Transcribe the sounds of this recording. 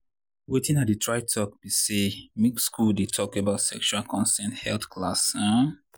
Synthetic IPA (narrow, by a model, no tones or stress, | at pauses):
wetĩnat̚dɨtʰɹaɪtʰɔk̚b̥isemikskuldetʰɔkebaʊtsɛkʃualkʰɔ̃nsɛ̃nthɛlθkʰlasã